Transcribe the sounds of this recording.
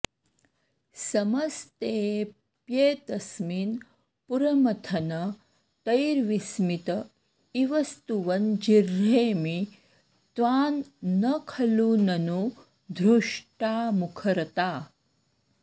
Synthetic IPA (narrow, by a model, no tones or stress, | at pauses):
sɐmɐst̪eː | pjeːt̪ɐsmin | puɾɐmɐt̪ʰɐnɐ | t̪ɐjɾʋismit̪ɐ | iʋɐst̪uʋɐnd͡ʒiɾːeːmi | t̪ʋaːnːɐkʰɐlunɐnu | d̪ʱɾuʂʈaːmukʰɐɾɐt̪aː